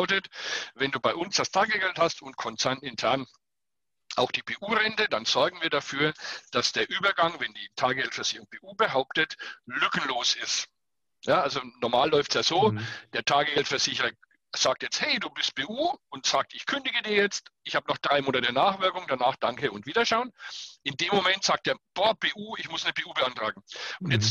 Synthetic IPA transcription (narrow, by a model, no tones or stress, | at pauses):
ʊtətvɛnduːbaɪʔʊnsd̥astʰaːɡəɡɛlthastʊnt̚kʰɔnt͡sɛɐnɪntʰɛɐn | ʔaʊxd̥iːbʰeːʔuːʁɛntədanz̥ɔɐɡŋ̩viːɐdafyːɐd̥asd̥eːɐʔyːbɐɡaŋvɛndiːtʰaːɡəɡɛltfɛɐzɪçəʁʊŋb̥ʰeːʔuːbəɦaʊp̚tətlʏkn̩loːsɪst | jaːʔalzonɔɐmaːlːɔʏftsjaːzoːd̥eːɐtʰaːɡəɡɛltfɛɐz̥ɪçəʁɐ | z̥aːk̚tjɛt͡sthɛɪduːbɪst̚b̥eːʔuːʊntz̥aːk̚tɪçkʰʏndɪɡədiːɐjɛt͡stʔɪçhaːbənɔχd̥ʁaɪmoːnatənaːχv̥ɪɐkʊŋd̥anaːχd̥aŋkəʊntv̥iːdɐʃaʊənʔɪndeːmːomɛntz̥aːk̚t̚eːɐb̥ɔːpeːʔuːɪçmʊsnəpʰeːʔuːbəʔantʁ̥aːɡŋ̩ʊntjɛt͡s